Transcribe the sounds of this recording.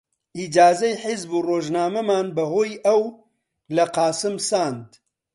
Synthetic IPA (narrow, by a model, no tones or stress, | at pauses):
ʔid͡ʒaːzɐjħɪzbuːroːʒnaːmɐmaːnbɐɦoːjʔɐw | lɐqɑːsɨmsaːnd̪